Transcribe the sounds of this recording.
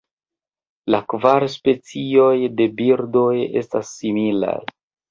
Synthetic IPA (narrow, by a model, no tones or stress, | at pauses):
lakvaɾspe̞t͡sio̞jde̞biɾdo̞je̞̰stasːimila̰j